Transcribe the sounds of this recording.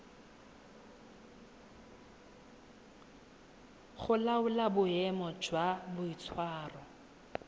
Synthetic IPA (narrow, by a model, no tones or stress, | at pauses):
χʊlaʊlabʊɛmɔd͡ʒwabʊit͡sʰwaːrɔ